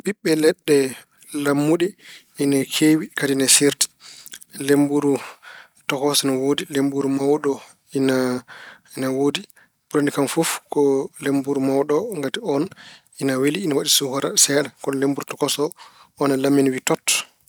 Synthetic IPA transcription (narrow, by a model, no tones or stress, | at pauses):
ɓiɓːɛlɛɗːɛ | lamːuɗi | inakʰewikadinasiɾti̥ | lembuɾu | tɔkɔsɔnawoːdilembuɾumawɗɔ | ina | inawoːdi | buɾanikamfufkɔlembuɾumawɗɔŋɡatiɔn | inaweliːnawaɗisuhɔɾa̰sɛɗɛkɔnɔlembuɾutɔkɔsɔː | nalamːinwitɔt